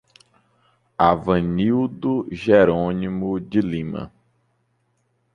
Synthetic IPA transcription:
avɐ̃niwd̪ʊʒeɾõnimʊd͡ʒɪlĩmɐ̰

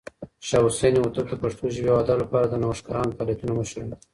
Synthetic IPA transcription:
ʃɑʊsejnewot̪əld̪əpaʂt̪oʒɪwewad̪alapɑɾad̪ənawaʂkɑɾɑnot̪ɑlijat̪unoməʃɾund̪

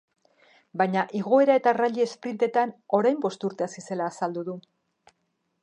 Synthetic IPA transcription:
bajɲaʔiɣ̞o̞e̞ɾae̞t̪araʎeːspɾint̪e̞t̪ano̞ɾajmbo̞st̪uɾt̪e̞asise̞laːsald̪uðu

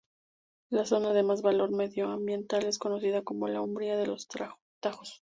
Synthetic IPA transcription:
laso̞naðe̞mazβalo̞ɾme̞ðjo̞ambje̞nt̪ale̞sko̞no̞siðako̞mo̞laumbɾjaðe̞lo̞s | t̪axo̥s

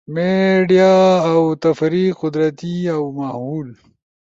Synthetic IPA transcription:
meɖijaːwt̪ɐfɾiqʊd̪ɾɐt̪iawmahuːl

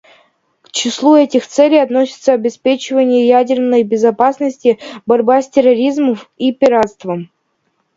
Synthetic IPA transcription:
kt͡ɕɪslˠuɛtʲɪxt̪sɛlʲɪjɐt̪nosʲɪ̥t̪səɐbʲɪspʲet͡ɕɪvənʲɪjəjædʲɪrnəjbʲɪzɐpasnəsʲtʲɪbɐɾʲbasʲtʲɪrɐɾʲizməmipʲɪɾat̪st̪vəm

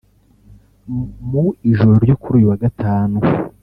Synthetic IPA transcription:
muiʒoɾoɾɟo̞kuɾuːjuwaɡataːnu

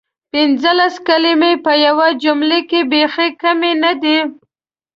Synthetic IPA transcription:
pɪnzəlaskalimepəjawad͡ʒʊmlekebexekamenad̪i

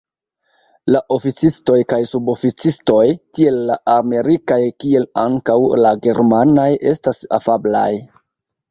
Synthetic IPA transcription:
laʔo̞fit͡sisto̞jkajsubo̞fit͡sisto̞jtie̞lːaʔame̞ɾikajkie̞laŋkawlaɡe̞ɾmanojʔe̞stasa̰fabla̰j

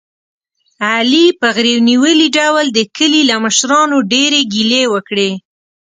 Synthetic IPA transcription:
alipəɣɾewniwəliɖawld̪əkəlilaməʃɾɑnoɖeɾeɡilewəkɽe

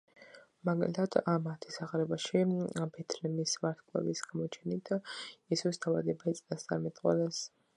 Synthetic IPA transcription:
maɡalit̪ʰad̪̥amat̪ʰisaʁɾɛbaʃibɛt̪ʰnɛmisvaɾt̪ʰkʼlɛ̰visɡ̥amɔt͡ʃʰɛnit̪ʰjɛsusd̪ʰavad̪ɛbaɛt̪sʼnast̪ʼaɾmɛt̪ʼqʼwa̰lɛs

